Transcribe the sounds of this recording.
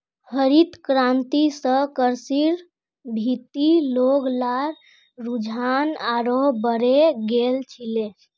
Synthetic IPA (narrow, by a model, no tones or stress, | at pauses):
həɾit̪kɾant̪isəkəɾsiɾ | bʱit̪iloɡlaɾ | ɾud͡ʒʱanaɾoɦbəɾeɡelt͡ʃʰile